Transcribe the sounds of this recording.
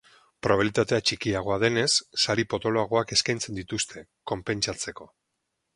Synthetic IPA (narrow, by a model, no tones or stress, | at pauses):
pɾoβelit̪at̪e̞at͡ʃikiaɣ̞o̞aðe̞ne̞sːaɾipo̞t̪o̞loaɣ̞o̞ake̞skajnt͡se̞nd̪it̪ust̪ʰe̞ko̞mpe̞nt͡ʃat͡se̞ko̞